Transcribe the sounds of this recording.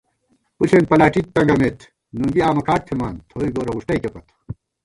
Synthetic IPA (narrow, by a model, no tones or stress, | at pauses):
pusʰenpɐlaːʈit̪ːɐŋɡɐmet̪ʰ | nuŋɡiaːmɐkʰaːʈ̚t̪ʰemaːnt̪ʰoːiɡoːɾɐɣuʂʈɐjkepɐt̪